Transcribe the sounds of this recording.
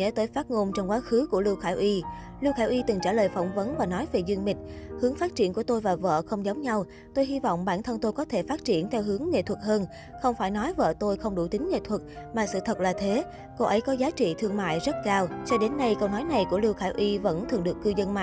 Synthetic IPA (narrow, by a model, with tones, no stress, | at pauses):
ɛ̰˧˥t̪əː˨˦jfaː˦˥t̚ŋo˧nt͡ɕɔ˧wŋ͡mkwaː˨˦xɨ˨˦ku˧˩əli˧wxaː˧˩jʔi˧ | li˧wxaː˧˩jʔi˧t̪ɨ˨˩ŋt͡ɕaː˧˩ləː˨˩jfɔ˧˩wŋ͡mvə˨˦nvaː˨˩nɔ˨˦jve˨˩zi˧ŋmï˨˩ŋ̟̚hɨ˨˦əŋfaː˦˥t̚t͡ɕi˧˩ənku˧˩ət̪o˧jvaː˨˩və̰ː˧˨xə˧wŋ͡mzə˨˦wŋ͡mɲa˧w | t̪o˧jɦi˧vɔ̰˧˨wŋ͡mɓaː˧˩nt̪ʰə˧nt̪o˧jkɔ˨˦t̪ʰe˧˩faː˦˥t̚t͡ɕi˧˩ənt̪ʰɛ˧wɦɨ˨˦əŋːḛ˧˨t̪ʰwə˨˩t̚həː˧n | xə˧wŋ͡mfaː˧˩jnɔ˨˦jvə̰ː˧˨t̪o˧jxə˧wŋ͡mɗu˧˩t̪ï˨˦ŋ̟ŋḛ˧˨t̪ʰwə˨˩t̚ | maː˨˩sɨ̰˧˨t̪ʰə˨˩t̚laː˨˩t̪ʰe˨˦ | ko˧ʔə˨˦jkɔ˨˦zaː˨˦t͡ɕḭ˧˨t̪ʰɨ˧əŋma̰ː˧˨jzə˦˥t̚kaː˧wt͡ɕɔ˧ɗe˨˦nːa˧jkə˧wnɔ˨˦jna˨˩jku˧˩əli˧wxaː˧˩jʔi˧və̰˧˥nt̪ʰɨ˨əŋɗɨ˨˩əkːɨ˧zə˧nma̰ː˧˨